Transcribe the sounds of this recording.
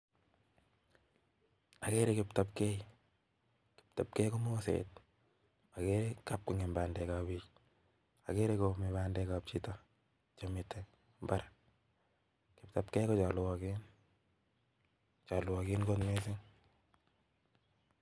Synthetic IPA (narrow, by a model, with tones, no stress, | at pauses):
a˨ke˦ɾe˦kɪ˨pta˨p̚ke˦j | kɪ̥p̚ta˨p̚kɛ˦jko˦mo˦sḛt̚ | a˨ke˦ɾe˦ka˦p̚kʊŋɪ˨mba˨ndɛ˨ka˨bi˦k | a̰˨ke˦ɾeko˨me˨baːndɛkap̚t͡ʃi˦ta | t͡ʃamɪtʰːɛ | mba˦ɾ | kɪ˨p̚ta˨p̚kɛ˦jkɔ˦t͡ʃa˨lwɔ˨kɪn | t͡ʃa˨lwɔ˨kɪ˦nɡo˦tme˦sɪŋ